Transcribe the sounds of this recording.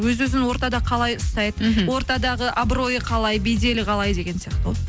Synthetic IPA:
wɵzwɵzɪnwo̞ɾt̪ɑd̪ɑqʰɑlˠɑjʊst̪ɑjd̪əwo̞ɾt̪ɑd̪ɑʁəʔabro̞jəqʰɑlˠɑjbejd̪e̞lɪqʰɑlˠɑjd̪e̞ɡʲe̞nsijɑqt̪əw̰̪ˠ

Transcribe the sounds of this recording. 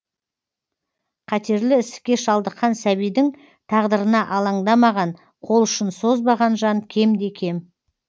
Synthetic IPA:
qʰɑt̪e̞ɾlɪɪsɪ̥kʲe̞ʃɑlˠd̪əqːɑnsæβijd̪ɪŋ | t̪ʰɑʁd̪əɾənɑʔɑlˠɑŋd̪ɑmɑʁɑn | qʰo̞lˠʏʃɪnsozbɑʁɑnʒɑnkʲʰe̞md̪e̞kʲʰe̞m

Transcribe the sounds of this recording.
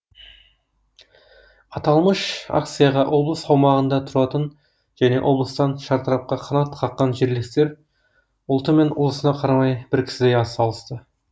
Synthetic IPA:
ɑt̪ɑlˠməʃa̰k̚t̪sɨjɑʁɑʔo̞blˠəsɑwmɑʁənd̪ɑt̪ʰʊɾɑt̪ən | ʒ̥æne̞̰ʔo̞blˠəst̪ɑnʃɑɾt̪əɾɑp̚qɑqʰɑnɑt̪qʰɑqːɑnʒeɾlɪkt̪e̞ɾ | ʊlˠt̪əme̞nʊ̰lˠəsənɑqʰɑɾɑmɑjb̥ɪɾkʲʰɪ̥sɪd̪ejɑɑlˠəst̪ə

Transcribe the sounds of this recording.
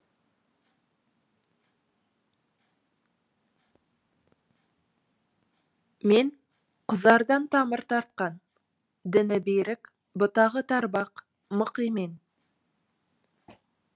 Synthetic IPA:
me̞n | qʰʊzɑɾd̪ɑnt̪ʰɑməɾt̪ʰɑɾt̪̚qɑn | d̪ɪnɪbeɾɪk | bʊt̪ɑʁət̪ʰɑɾbɑq | məqijmen

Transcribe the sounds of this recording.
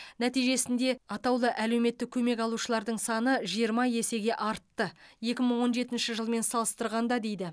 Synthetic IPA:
næt̪ijʒe̞sɪnd̪e̞ɑt̪ɑwlˠəʔæle̞wme̞t̪ːɪk̚ʲʰɵme̞kɑlˠuʃəlˠɑɾd̪əɴsɑnəʒijəɾmɑje̞se̞ɡʲe̞ʔɑɾt̪ːəje̞kʲɪməɴwo̞nʒe̞t̪ɪnʃɪʒəlˠme̞nsɑlˠəst̪əɾʁɑnd̪ɑd̪e̞jd̪ɪ

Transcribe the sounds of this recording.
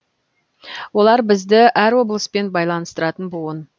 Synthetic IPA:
wo̞lˠɑɾbɪzd̪ɪʔæɾwo̞blˠəspe̞nbɑjlˠɑnəst̪əɾɑt̪ənbʊən

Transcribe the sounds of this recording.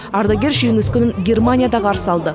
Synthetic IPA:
ɑɾd̪ɑɡʲe̞ɾʒyjɪŋɪskʲʏnɪŋɡʲe̞rmanʲijad̪ɑʁɑɾəsɑlˠd̪ə

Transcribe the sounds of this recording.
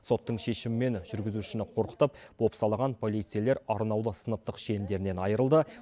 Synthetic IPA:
so̞t̪ːəɴʃe̞ʃɪmɪme̞nʒʏɾɡʲɪzuʃɪnɪqʰo̞ɾqə̥t̪əp̚b̥o̞psɑlˠɑʁɑnpʰo̞lˠijt̪sɨjale̞ɾɑɾnɑwlˠəsənəp̚t̪əqʃe̞nd̪e̞ɾɪne̞nɑjəɾəlˠd̪ə

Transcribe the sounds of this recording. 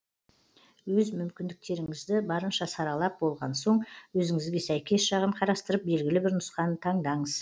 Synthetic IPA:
wɵzmʏmkʲɪnd̪ɪk̚t̪e̞ɾɪŋɪzd̪ɪbɑɾənʃɑsɑɾɑlˠɑp̚bo̞lˠʁɑnso̞ɴwɵzɪŋɪzɡʲe̞sæjkʲe̞sʃɑʁəmqʰɑɾɑst̪əɾəp̚be̞lɡʲɪlɪbɪɾnʊsqɑnət̪ʰɑɴd̪ɑɴəz̥

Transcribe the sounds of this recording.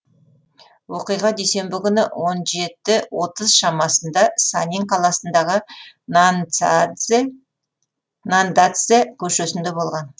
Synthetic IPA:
wo̞qijʁɑd̪ejse̞mbɪkʲʏnɪwʔo̞nʒe̞t̪ɪwo̞t̪əzʃɑmɑsənd̪ɑsanʲiŋqʰɑlˠɑsənd̪ɑʁə | nand̪at̪sɨjakʲʰɵʃe̞sɪnd̪e̞bo̞lˠʁɑn

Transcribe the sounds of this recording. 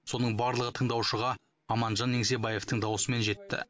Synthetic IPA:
so̞nəɴbɑɾlˠəʁət̪ʰəɴd̪ɑwʃəʁɑ | ɑmɑnʒɑnːeŋse̞bɑje̞ft̪əɴd̪ɑwsəme̞nʒe̞t̪ːɪ̰

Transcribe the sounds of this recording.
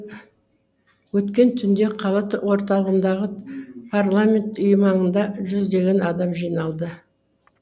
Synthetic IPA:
wɵt̪kʲe̞nt̪ʰʏnd̪e̞qʰɑlˠət̪wo̞ɾt̪ɑlˠəʁənd̪ɑʁəpʰarlˠamʲe̞nt̪ʊjmɑnənd̪ɑʒʏzd̪e̞ɡʲe̞nɑd̪ɑmʒijnɑlˠd̪ə

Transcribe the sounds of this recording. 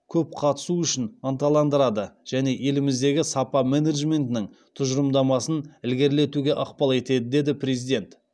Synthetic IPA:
kʲʰɵp̚qʰɑt̪ə̥suʏʃɪnɑnt̪ɑlˠɑnd̪əɾɑd̪əʒ̥æne̞ʔje̞lɪmɪzd̪e̞ɡʲɪsɑpɑmeneʒme̞nt̪ɪnɪŋ | t̪ʰʊʒɾəmd̪ɑmɑsənɪlɡʲe̞ɾle̞t̪uɡʲe̞ʔɑqpɑlˠe̞t̪e̞d̪ɪd̪e̞d̪ɪpʰɾe̞zijd̪e̞nt̪

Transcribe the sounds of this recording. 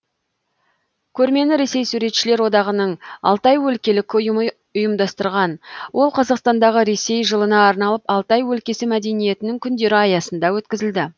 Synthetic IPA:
kʲʰɵɾme̞nɪɾe̞sejsuɾe̞t̪ʃɪle̞ɾwo̞d̪ɑʁənəɴɑ̰lˠt̪ɑjwɵlkʲe̞lɪkʲʊjəm | ʊjəmd̪ɑst̪əɾʁɑnwʔo̞lˠqʰɑzɑqst̪ɑnd̪ɑʁəɾe̞se̞jʒəlˠənɑːɾnɑlˠəpɑlˠt̪ɑjwɵlkʲe̞sɪmæd̪e̞nije̞t̪ɪnɪŋkʲʰʏnd̪e̞ɾɪɑjɑsənd̪ɑwɵt̪kʲɪzɪld̪ɪ

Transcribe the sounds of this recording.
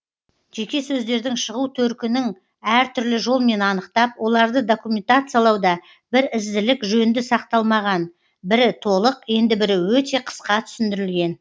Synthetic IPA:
ʒe̞kʲe̞sɵzd̪e̞ɾd̪ɪŋʃəʁut̪ʰɵɾkʲɪnɪŋ | æɾt̪ʰʏɾlɪʒo̞lˠme̞nɑnəqt̪ɑpwo̞lˠɑɾd̪əd̪o̞kumʲe̞nt̪at̪sɨjalˠɑwd̪ɑ | bɪɾɪzd̪ɪlɪkʒɵnd̪ɪsɑqt̪ɑlˠmɑʁɑn | bɪɾɪt̪ʰo̞lˠəqje̞nd̪ɪbɪɾɪwɵt̪e̞qʰə̥sqɑt̪ʰʏ̥sɪnd̪ɪɾɪlɡʲe̞n

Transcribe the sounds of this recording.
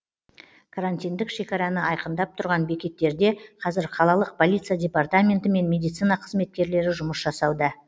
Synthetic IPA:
kʰaɾanʲt̪ʲijnd̪ɪkʃe̞kʲɑɾɑnəɑjqənd̪ɑp̚t̪ʰʊɾʁɑnbe̞kʲe̞t̪ːe̞ɾd̪e̞qʰɑzɪɾqʰɑlˠɑlˠəq̚pʰo̞lʲˠijt̪sijadʲe̞part̪amʲe̞nt̪ɪme̞nmʲe̞d̪ijt̪sɨnɑqʰəzme̞t̪̚kʲe̞ɾle̞ɾɪʒʊməsʒɑsɑwd̪ə

